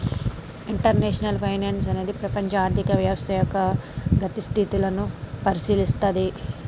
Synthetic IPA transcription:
iɳʈɐɾneːʂɐnɐlpʰɐjneːns̬ɐne̞ːd̪ipɾɐpɐɲt͡ʃɐaːɾt̪ʰikɐʋjɐːʋɐst̪ʰɐjɔːkːɐɡɐt̪ist̪ʰit̪ilɐnupɐɾisiːlist̪ɐd̪i

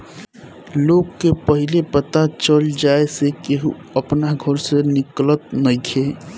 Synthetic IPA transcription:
loɡːepəɦilepət̪at͡ʃəld͡ʒaesekeɦuəpnaɡʱəɾsenɪklət̪̚nəjkʰe

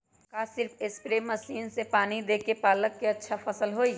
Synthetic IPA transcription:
kaːsɪɾfʰɪspɾeːmːɐsiːnsepaːnid̪eːkepaːləkːeɐtːʃʰafɐsəlɦoːi

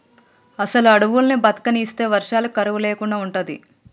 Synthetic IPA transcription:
ɐsɐluɐɽɐʋulɐnibɐt̪ɐ̥kɐniːst̪e̞ːʋɐɾʂaːlɐkɐɾɐʋuleːkuɳɖaːuɳʈund̪ḭ

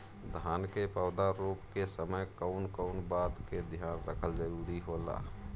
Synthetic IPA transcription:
d̪ʱaːnkepəʊd̪aɾupkesəməjkəʊnkəʊnbaːt̪ked̪ʱjaːnɾə̰kʰəld͡ʒəɾuːɾiɦola̰ː

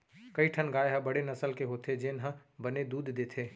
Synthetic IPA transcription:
kɐiʈʰənɡaːeɦə̃bɐɽenɐsəlkeɦoːt̪ʰed͡ʒɪnɦə̃bəned̪uːd̪d̪eːt̪ʰeː

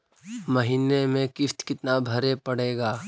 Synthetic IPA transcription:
mɐɦiːnemẽkɪft̪kɪt̪nabʱɐɾepɐɽeːɡaː

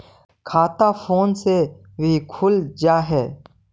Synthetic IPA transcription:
kʰaːt̪afʰoːnse | ʋikʰʊld͡ʒaːɦɛː

